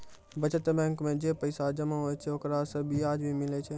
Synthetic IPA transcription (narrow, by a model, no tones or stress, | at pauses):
bɐt͡ʃət̪bɛ̃ːŋkmẽd͡ʒeːpəɪsad͡ʒɐmaɦoːet͡ʃʰeokɾasɐbiaːd͡ʒbʱimɪlet͡ʃʰe